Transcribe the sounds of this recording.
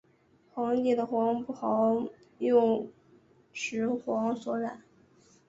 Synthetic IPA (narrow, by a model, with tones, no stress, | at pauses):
xwɑ˧˥ŋi˥˩d̪ə˩xwɑ˧˥ŋpu˥˩xɑ˧˥ʊ | jʊ˥˧ŋ | ʂɻ̩˧˥xwɑ˧˥ŋswɔ˧˥ɻa˨˩˦n